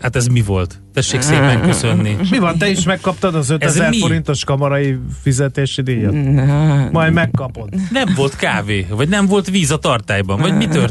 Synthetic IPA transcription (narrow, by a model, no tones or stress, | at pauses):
hat̪ɛzmivo̞lt̪ | t̪ɛʃːeːkseːpɛŋkøsønːimivɒnt̪ɛiʃmɛkːɒpt̪ɒd̪ɒzøt̪ɛzɛrmio̞ɾint̪o̞ʃkɒmɒɾɒifizɛt̪eːʃid̪eːjɒt̪ːmɒjmɛkːɒpo̞t̪ːnɛɱvo̞lt̪kaːveːvɒɟnɛɱvo̞lt̪viːzɒt̪ɒrt̪aːjbɒɱvɒɟmit̪ør